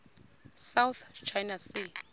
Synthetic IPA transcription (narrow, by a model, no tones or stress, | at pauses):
sawθt͡ʃʰajnasi